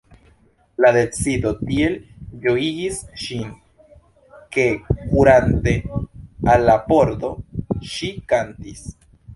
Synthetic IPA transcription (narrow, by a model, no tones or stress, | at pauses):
lade̞t͡sido̞tie̞ld͡ʒo̞iɡisʃin | ke̞kuɾante̞ | alːapo̞ɾd̪o̞ʃikantis